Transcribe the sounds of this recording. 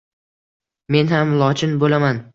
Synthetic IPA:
me̞nhamlˠɒt͡ʃʰɪnbolaman

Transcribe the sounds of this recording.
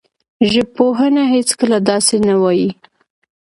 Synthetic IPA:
ʒəb̚poɦənaɦet͡skəlad̪ɑsenawɑji

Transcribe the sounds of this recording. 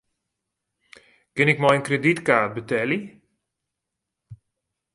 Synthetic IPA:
kɪnɪkmɔjənkreditkaːt̚bətɛli

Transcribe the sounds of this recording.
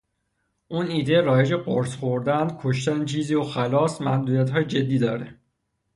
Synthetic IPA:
ʔuːniːd̪eɾɒːje̞d͡ʒeɢoɾsxoɾd̪ænd̪̥kʰo̞ʃt̪ænt͡ʃʰiːziːoxælɒːsmæmd̪uːɾijæt̪hɒːjed͡ʒe̞d̪ːiːd̪ɒːɾe

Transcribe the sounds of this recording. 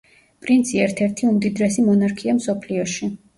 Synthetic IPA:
pʼɾint̪sʰiɛɾt̪ʰɛɾt̪ʰiumd̪id̪ɾɛsimɔnaɾkʰiamsɔpʰliɔʃi

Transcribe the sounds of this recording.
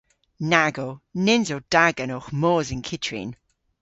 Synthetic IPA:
naɡonɪnzod̥aɡənoχmɔːzɪnkʰɪt͡ʃʰɹḭn

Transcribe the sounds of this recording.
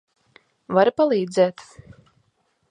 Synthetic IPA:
vaɾpalˠiːd̪zɛːt̪

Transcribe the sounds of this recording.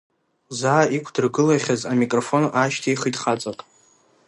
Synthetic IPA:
zaːikʷʰdɨrɡɨlaχʲazamikʼrofo̞nʔaʃtʰijχitʼχat͡sʼatʼ

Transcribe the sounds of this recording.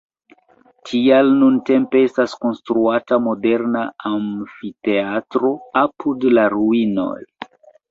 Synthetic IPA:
tʰialnunte̞mpe̞estasko̞nstɾuatamo̞de̞ɾnaamfite̞atɾo̞apʰudlaɾuino̞̰j

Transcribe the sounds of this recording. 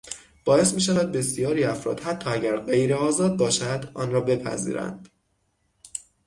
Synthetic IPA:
b̥ɒːe̞st̪miːʃævæd̪̚be̞sijɒːɾiːæfɾɒ̰ːd̪̥hæt̪ʰːɒːæɟæɾɢe̞jɾeɒːzɒːd̪̚bɒːʃæd̪ɒːnɾɒːbe̞pʰæ̰zḭːɾæ̰nd̪̥

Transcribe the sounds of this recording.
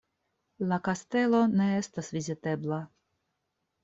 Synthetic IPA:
lakast̪e̞lo̞ne̞est̪asvizit̪e̞bla

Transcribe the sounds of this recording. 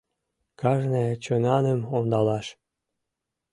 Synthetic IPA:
kɑʒnet͡ɕønɑnəmond̪ɑlɑʃ

